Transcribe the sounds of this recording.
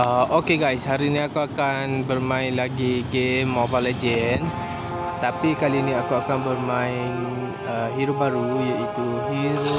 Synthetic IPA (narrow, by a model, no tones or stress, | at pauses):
əʔokeɡajshaɾiniakuakanbərmãɪnlaɡiɡemːɔbalad͡ʒən | t̪apikaliniakuakanbərmaɪn | əɦiɾubaɾujait̪uɦi